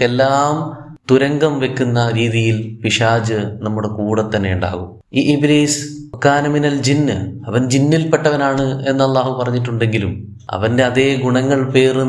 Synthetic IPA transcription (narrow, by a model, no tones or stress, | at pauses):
elːaːmt̪uɾɐŋɡɐmʋe̞kʲːunːɐɾiːðijilpiʂaːd͡ʑɨnɐmːuɽekuːɽɐt̪ːɐnːejuɳɖa̰ːɣum | iʔibɾiːskːaːnɐminɐld͡ʑinːɨɐʋɐnd͡ʑinːilpe̞ʈːɐʋɐnaːɳɨe̞nːɐlːaːɦupɐrɐɲːiʈːuɳɖe̞ŋɡilum | ɐ̰ʋɐnde̞ɐðe̞ːɡuɳɐŋːɐɭpe̞ːr